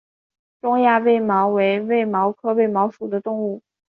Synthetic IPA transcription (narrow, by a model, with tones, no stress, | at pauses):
ʈ͡ʂʊ˥ŋja˥˧we˥˩ɪmɑ˧˥ʊwe˧˥ɪwe˥˩ɪmɑ˧˥ʊkʰɤ˥we˥˩ɪmɑ˧˥ʊʂu˨˩d̪ə˦t̪ʊ˥˧ŋu˥˩